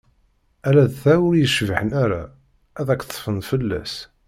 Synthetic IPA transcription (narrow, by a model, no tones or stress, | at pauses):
æɾæðθæwʊɾjəʃvħənæɾa̰ | æðækːt̪ˤːfənfəlːæ̰s